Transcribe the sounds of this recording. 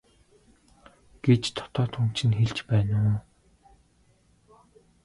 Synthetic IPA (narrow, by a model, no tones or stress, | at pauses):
ɡ̥et͡ɕt̪ʰɔ̥t̪ɔːt̪ʰum̥t͡ɕʰɪ̆nxeɮt͡ɕpæːnʊː